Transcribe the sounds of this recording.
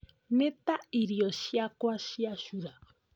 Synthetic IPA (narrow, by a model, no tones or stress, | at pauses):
nẽt̪aiɾioʃiakwaʃiaʃuɾa